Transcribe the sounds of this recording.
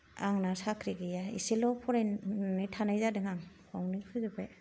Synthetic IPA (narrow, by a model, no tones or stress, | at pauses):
a̰ŋnasakʰɾiɡijaḭsilɔpʰɔɾajnitʰanajzadɯŋaŋkʰɔwŋnipʰɯzɯbaj